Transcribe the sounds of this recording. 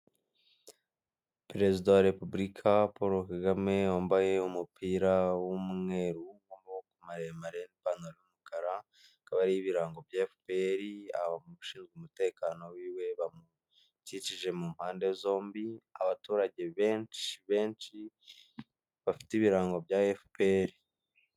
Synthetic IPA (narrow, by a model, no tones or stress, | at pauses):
pɾe̞zidawaɾe̞pubɾikʰapo̞ɾokaɡame̞aoːmbaje̞umupʰiːɾawumŋe̞ːɾuɡoːmbawokumaɾemaɾenipanoɾojumukaɾa | kaβaɾijiβiɾaːŋɡo̞bjafpe̞ɾia̰βamuuʃiːnzɡumute̞ːkaːno̞wiːwe̞βamu | cit͡ʃiʒe̞mumhaːnde̞zo̞ːmbiaβatuːɾaɟe̞βe̞ːnt͡ʃiβe̞ːnt͡ʃi | βafi̥tiβiɾaːŋɡo̞bjaefipeɾi